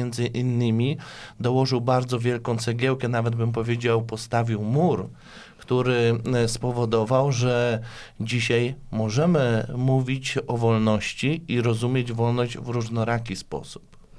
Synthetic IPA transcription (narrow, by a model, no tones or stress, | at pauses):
ɛnd̪zɘʔinːɘmʲid̪ɔwɔʐɘwbaɾd̪zɔvʲjɛlkɔ̃w̃t̪sɛɡʲjɛwkɛnavɛd̪̚bɘmp̬ɔvʲjed͡ʑawpɔst̪avʲiwmuɾ | kt̪uɾɘspɔvɔd̪ɔvawʐɛ | d͡ʑiɕajmɔʐɛmɘmuvʲit͡ɕɔvɔlnɔɕt͡ɕiiɾɔzumʲjed͡ʑvɔlnɔʑd͡ʑvɾuʐnɔɾakʲispɔ̰su̥p